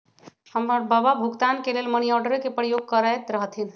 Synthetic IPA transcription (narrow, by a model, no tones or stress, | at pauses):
həmːəɾbəbabʱuɡt̪ankelelməniɔɾɖəɾkepɾəjoɡ̚kəɾajt̪ɾəɦt̪ʰɦin